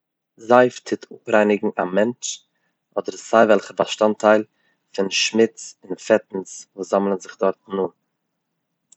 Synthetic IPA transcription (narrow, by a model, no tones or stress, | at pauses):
zaɪftʰɪtʰʊpɾaɪnɪɡŋ̩ʔamɛnt͡ʃ | ɔdəɾsaɪvɛlˠχəbaʃtantʰaɪlˠ | fɪnʃmɪt͡sɪnfɛtn̩svoːzaml̩ˠənzɪχdɔɾtnuː